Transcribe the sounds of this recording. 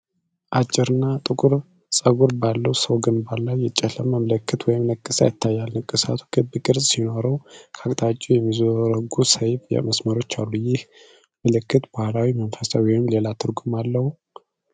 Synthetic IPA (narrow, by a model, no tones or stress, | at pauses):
ʔat͡ʃʼːɪɾɨnːat̪ʼɨkʼuɾ | sʼəɡuɾbalːəwsəwɡɨnbalːajːɛt͡ʃʼːɛləmːəmləkːɨt̪wɔjɪmnəkʼːɨsa̰jɪt̪ʰːajːalnəkʼːɨsa̰t̪ʰu̥kʰɨbkʼɨɾsʼsino̞ɾəwkʰakʼt̪ʼat͡ʃʼujɛmːizɔɾəɡusəjbɛ̰məsməɾo̞t͡ʃːalːujɪh | mɨlɨkːɨt̪bahlawimənfəsawɔjɪmle̞lat̪ʰɨɾɡumalːəhu